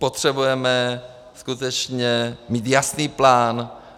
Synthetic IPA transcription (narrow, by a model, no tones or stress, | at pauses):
pot̪r̝̥ɛbujɛmɛ | skut̪ɛt͡ʃɲɛmiːt̪jasniːplaːn